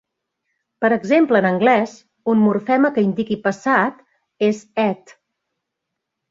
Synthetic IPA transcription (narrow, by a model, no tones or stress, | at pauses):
pəɾəɡzempləːnəŋɡlɛz | unmuɾfɛməkəind̪ikipəsat̪ | ezɛt̪